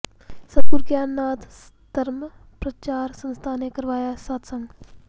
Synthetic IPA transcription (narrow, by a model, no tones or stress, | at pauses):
sɐd̪̚kuɾɡjaːnːaːd̪ | d̪ɐɾmpɾɐt͡ʃaːɾsə̃nst̪ʰaːnekɐɾʋaːjasaːt̪ʰsɐ̃ŋɡ